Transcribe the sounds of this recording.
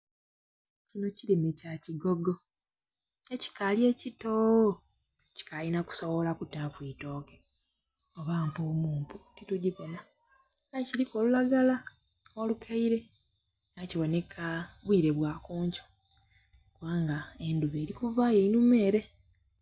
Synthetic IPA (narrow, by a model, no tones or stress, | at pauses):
cino̞cilimecaciɡoɡo | eci̥kalje̞cito | ci̥kalinaku̥so̞βo̞lakutafwiːto̞ːke | oβaːmpuːmuːmputituɟiβena | ajciɾiko̞ːlulaɡala | olukʰaiɾe̞ | naciβo̞ne̞kʰaβwiːɾe̞βwaːkuːɲco | kuβaːŋɡaenduβe̞ːɾikuvaːjeinume̞ːɾe